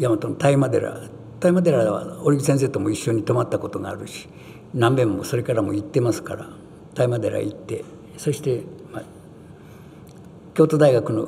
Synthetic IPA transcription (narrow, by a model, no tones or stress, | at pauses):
jamat̪õnt̪aimad̪e̞̰ɾa̰ | t̪aimad̪e̞ɾaβa̰oɾiɡʲisẽs̬e̞ːt̪o̞mo̞iɕːo̞ɲ̟it̪o̞mat̪ːako̞t̪o̞ɡa̰ːɾɯ̟ɕi̥ | nãmbẽ̞mːo̞so̞ɾe̞kaɾamo̞̰it̪ːe̞masɨ̥kaɾa̰ | t̪aimad̪e̞ɾa̰it̪ːe̞̰ | so̞ɕi̥t̪e̞ma | kʲo̞ːt̪o̞d̪aiɡakɯ̟no̞̰